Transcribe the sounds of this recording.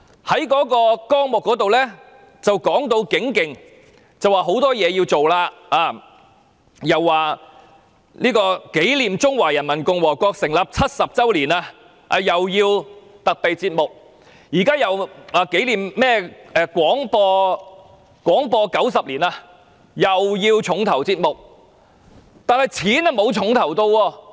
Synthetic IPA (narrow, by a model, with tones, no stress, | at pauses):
hɐ˨˥jkɔː˨˥kɔː˧kɔː˥ŋmʊ˨kːɔː˨˥t̪o˨wlɛː˥ | t͡sɐ˨wkɔː˨˥ŋt̪o˧wkɪ˨˥ŋkɪ˨ŋ | t͡sɐ˨waː˨˩ɦo˨˧˥wt̪ɔː˥jɛː˨˧jiː˧wt͡so˨wlaː˧aː˨˧ | jɐ˨wːaː˨ | liː˥kɔː˧ke˨˥jliː˨mt͡sʊ˥ŋwaː˨˩jɐ˨˩nmɐ˨˩nkʊ˨ŋwɔː˨˩kɔː˧k̚sɪ˨˩ŋlɐ˨p̚t͡sʰɐ˥t̚sɐ˨p̚t͡sɐ˥wliː˨˩naː˧ | ʔa̰ː˧jɐ˨wjiː˧wt̪ɐ˨k̚pe˨jt͡siː˧t̚mʊ˨k̚ | jiː˨˩kaː˥jɐ˨waː˨˧ke˨˥jliː˨mmɛː˥ʔɛ˨˧kʷɔː˨˥ŋpɔː˧ | kʷwɔː˨˥ŋpɔː˧kɐ˨˥wsɐ˨p̚liː˨˩naː˧ | jɐ˨wjiː˧wt͡ʃʰʊ˨˥ŋt̪ʰɐ˨˩wt͡siː˧t̚mʊ˨k̚ | t̪aː˨nhɐ˨jt͡sʰiː˨˥nɐ˨˧mo˨˧wt͡ʃʰʊ˨˥ŋt̪ʰɐ˨˩wt̪o˧wɔː˧